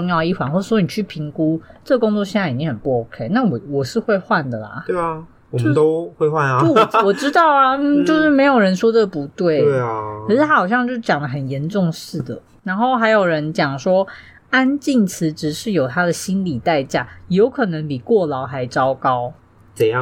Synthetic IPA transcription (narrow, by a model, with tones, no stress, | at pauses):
ʊ˥˧ŋjɑ˥˧ʊi˥˩xwa˧˦nxwɔ˥˩˥wɔ˧˥i˧n˨˩t͡ɕʰy˥˩pʰi˧˥˦ŋku˦ʈ͡ʂə˥˩ɡkʊ˥˦ŋt͡swɔ˥˧ɕjɛ˥˧nt͡sa˥˩ɪi˨˩t͡ɕĩ˥ŋhə˨˩npu˥˩o˧˥ʊkʰe˥ɪna˥˩wɔ˨˩wɔ˨˩ʂɻ̩˥˧xwe˥˧ɪxwa˥˨nd̪ə˩lɐ̰˩e˥˩ | ɔ˨o˥t̪o˥ʊxwe˥˧ɪxwa˥˩no˥˩wɔ˨˩ʈ͡ʂɻ̩˥t̪ɑ˥˩ʊa˨m̩˥˨˩t͡ɕjo˥˧ʊʂɻ̩˥˩me˧ɪjo˨˩ʊɻə˧˦nʂwɔ˥də˧˩pu˨˦t̪we˥˩ɪkʰə˨˩ʂɻ̩˥t̪a˥xɑ˨˩ʊɕjɑ˥˧ŋt͡ɕjo˥˧ʊʂ̩˥˩t͡ɕjɑ˨˩ŋd̪ə˩˦ɦə˨˩njɛ˧˦nʈ͡ʂʊ˥˧ŋʂɻ̩˥˩d̪ə˩ | na˧˥nxo˥˩ʊxa˧˥ɪjo˨˩ʊɻə˧˦nt͡ɕjɑ˨˩ŋʂwɔ˥ | a˦nt͡ɕi˥˩ŋt͡s̩ʰ˧˥ʈ͡ʂɻ̩˨˩ʂɻ̩˥˩jo˨˩ʊt̪ʰa˥d̪ə˨ɕi˥nli˨˩t̪a˥˧ɪt͡ɕja̰˥˩jo˧˥ʊkʰɤ˨˩nə˧˦ŋpi˨˩kwɔ˥˩lɑ˨˦ʊxa˧˥ɪʈ͡ʂɑ˥ʊkɑ˥ʊ | t͡sə˨˩jɑ˥˨